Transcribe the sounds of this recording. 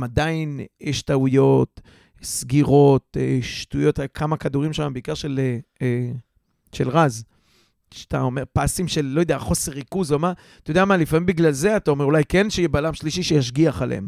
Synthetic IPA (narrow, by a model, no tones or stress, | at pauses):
mad̪ainjɛʃtaujo̞t | sɡiʁo̞t̪eʃtujo̞takʰamakad̪uʁimʃamabeikaʁʃele | ʃe̞̰lʁaz | ʃat̪a̰o̞me̞ʁpasimʃe̞llo̞jd̪eaχo̞se̞ʁikuzoma | t̪ajodeamalifamimbiɡlalze̞at̪ao̞meʁulajkenʃejebalamʃliʃiʃejaʃ̬ɡiaχalḛḛm